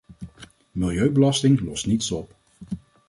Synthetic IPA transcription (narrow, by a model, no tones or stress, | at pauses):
mɪlˠjøɥbəlɑstɪŋlɔstnitsɔp